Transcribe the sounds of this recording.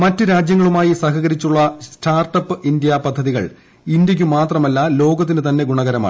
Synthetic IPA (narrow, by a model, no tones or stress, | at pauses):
mɐtːɨɾaːd͡ʑjɐŋːɐɭumaːjisɐhɐɣɐɾit͡ɕːuɭːɐssʈaːrʈɐpːɨindjɐpɐd̪ʱːɐðiɣɐ̰ɭ | ind̪jɐk̬ʲːumaːt̪rɐmɐlːɐlo̞ːɡɐt̪ːinɨt̪ɐnːe̞ɡuɳɐɣɐɾɐma̰ː